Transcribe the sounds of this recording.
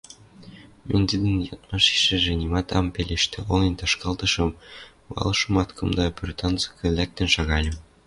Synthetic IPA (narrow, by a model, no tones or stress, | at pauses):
mʲenʲd̪ʲid̪ɘ̆njɑt̪mɑʃi̥ʃɘ̆ʒɘ̆nʲimɑt̪ɑmpʲelʲeʃt̪ɘ̆olʲˠɤ̆nʲt̪ɑʃkɑlˠt̪ɤ̆ʃɤ̆m | wɑ̰lˠɤ̆ʃɤ̆mɑt̪kɤ̆md̪ɑpʲrʲt̪ɑnzɤ̥̆kɘ̆lʲæk̚t̪ɘ̆nʃɑɣɑlʲɘ̆m